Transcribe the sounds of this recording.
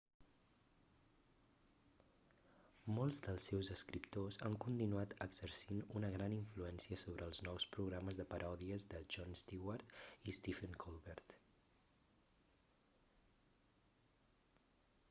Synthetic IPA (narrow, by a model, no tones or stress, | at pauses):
molˠzd̪əlˠsːɛwzəskɾipt̪oza̰ŋkunt̪inuat̪əɡz̥əɾsinunəɣɾaniɱfluɛnsiəsoβɾʔəːlˠznɔwspɾuɣɾaməzðəpəɾʔɔðiəzðəʒɔnst̪iwaɾt̪ist̪ifəŋkʰɔlˠβɛɾt̪